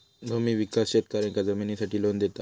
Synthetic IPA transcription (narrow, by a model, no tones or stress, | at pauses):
bʱomiːʋikasɕet̪kaɾẽŋkad͡zəminisaʈiːlond̪et̪a